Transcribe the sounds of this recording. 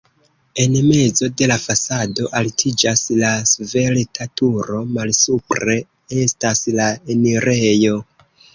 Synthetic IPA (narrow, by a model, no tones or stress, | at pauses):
e̞nme̞zo̞de̞lafasado̞ʔaltʰid͡ʒaslasve̞ltʰatuɾo̞malsupɾe̞ | e̞staslaeniɾe̞jo̞